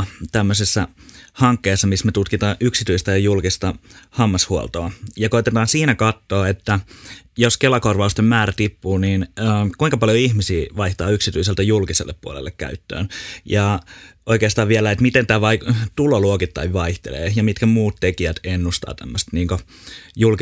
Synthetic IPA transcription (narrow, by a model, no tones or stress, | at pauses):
t̪æmːøsesːæhɑŋkːeːsːɑmismet̪ut̪kit̪ɑːʔyksit̪yist̪æjɑjulkist̪ɑhɑmːɑshuo̰lt̪oɑjɑkoit̪et̪ɑːnsiːnækɑt̪ːoːet̪ːæjoskelɑkorʋɑust̪emmæːræt̪ipːuːniːnːkuiŋkɑpɑljoihmisiːʋɑiht̪ɑːyksit̪yiselt̪æjulkisḛlːḛppuo̰lḛlːekkæ̰yt̪ːø̰ːnjɑʔoikeːst̪ɑːʋʋielæet̪mit̪ent̪æːʋɑit̪uloluokit̪ːɑ̰iʋʋɑiht̪ḛlḛːjɑmit̪kæmuːt̪t̪ekiæt̪enːust̪ɑ̰ːt̪æmːøst̪niːŋko | julki